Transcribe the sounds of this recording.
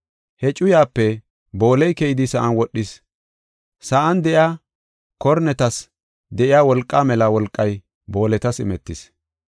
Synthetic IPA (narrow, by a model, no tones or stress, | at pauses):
hɛt͡ʃʼʊjaːpːɛ | bo̞ːlɛjkɛjɪd̪ɪsɐʔɐnwɔɗːɪs | sɐʔɐnd̪ɛʔjaː | kɔɾnɛt̪ɐs | d̪ɛʔɪjaːwɔlkʼːaːmɛlɐwɔlkʼːɐj | bo̞ːlɛt̪ɐsɪ̰mɛt̪ːɪs